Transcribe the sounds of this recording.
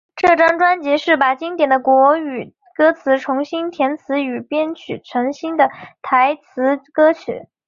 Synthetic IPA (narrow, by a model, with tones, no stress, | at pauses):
ʈ͡ʂɤ˥˩ʈ͡ʂɑ˥ŋʈ͡ʂwa˥nt͡ɕjɛ˧˥ʂɻ̩˥˩pa˨˩t͡ɕi˥ŋt̪̬jɛ˨˩nd̪ə˦kwɔ˧˥y˨˩ | kɤ˥t͡sʰɹ̩˧˥ʈ͡ʂʰʊ˧˥ŋɕi˥nt̪ʰjɛ˧˥nt͡sʰɹ̩˧˥y˨˩pjɛ˥nt͡ɕʰy˨˩ʈ͡ʂʰɤ˧˥ŋɕi˥nd̪ə˨t̪ʰa˧˥ɪt͡sʰɹ̩˧˥kɤ˥t͡ɕʰy̰˨˩˦